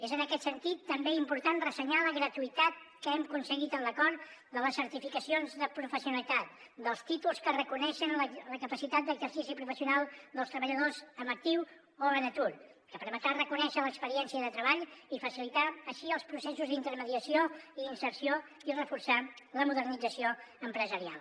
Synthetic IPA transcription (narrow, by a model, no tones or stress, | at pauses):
ezənəkɛt̪sənt̪it̪ːəmbeimpuɾt̪anrəsəɲaləɣɾət̪uit̪at̪̚kəɛmkunsəɣit̪ənləkɔɾd̪ələsːəɾt̪ifikəsionzðəpɾufəsiunəlit̪at̪̚ | d̪əlˠst̪it̪ulˠskərəkunɛʃənlələkəpəsit̪at̪̚d̪əɡzəɾsisipɾufəsiunalˠd̪əlˠst̪ɾəβəʎəðozəmək̚t̪iw | oβənət̪uɾ | kəpəɾmət̪ɾarəkunɛʃələkspəɾiɛnsiəðət̪ɾəβaʎifəsilit̪aəʃiəlˠspɾusɛsuzd̪int̪əɾməðiəsioiːnsəɾsio | irəfursaləmuðərnid͡zəsioəmpɾəzəɾia̰lˠ